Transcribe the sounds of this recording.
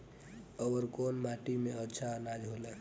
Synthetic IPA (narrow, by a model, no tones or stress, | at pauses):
əʋəɾkonmaʈimeətːʃʰanad͡ʒɦolɛ